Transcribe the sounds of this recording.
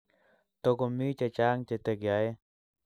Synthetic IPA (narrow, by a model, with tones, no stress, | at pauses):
t̪o˧ko˧mi˦t͡ʃa˧t͡ʃa˦ŋt͡ʃe˧t̪e˧kja˨e˦